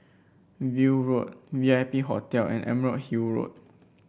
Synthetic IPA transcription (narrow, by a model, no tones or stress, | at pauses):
viɹot̚viapiɦɔ̰tɛlɛ̰̃nʔɛ̰̃məɹot̚hiɹo̰t̚